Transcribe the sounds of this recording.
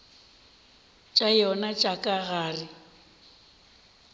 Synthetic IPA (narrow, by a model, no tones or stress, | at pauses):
t͡ʃʼajɔnat͡ʃʼakʼaɣaːrɪ